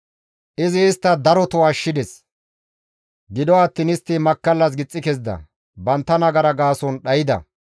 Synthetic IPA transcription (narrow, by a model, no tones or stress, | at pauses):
ʔɪzɪːst̪ːɐd̪ɐɾɔt̪ɔɐʃːɪd̪ɛs | ɡɪd̪ɔɐt̪ːiːnɪst̪ːɪmɐkːɐlːɐs̬ɡɪt͡sʼːɪkɛzd̪ɐ̰ | bɐnt̪ːɐnɐɡɐɾɐɡaːsɔnɗɐjɪd̪ɐ̰